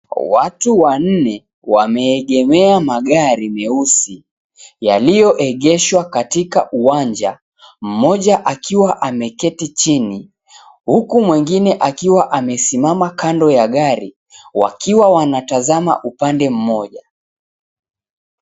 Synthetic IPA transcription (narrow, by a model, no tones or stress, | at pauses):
watuwan̩nɛ | wamɛːɠɛmɛamaɠaɾimɛusi | jalijɔʔɛɠɛʃwakatika̰ʔuwand͡ʒa | m̩mɔʄaʔakʰiwaʔamɛkɛtit͡ʃini | hukumwɛŋɡinɛʔakiwaʔamɛsimamakandɔjaɠaɾi | wa̰kiwawanatazama̰ʔupandɛm̩mɔʄa